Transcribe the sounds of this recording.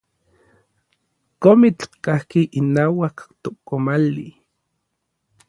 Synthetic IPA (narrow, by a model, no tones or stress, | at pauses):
komit͡ɬkahkiʔinaːwakt̪okomali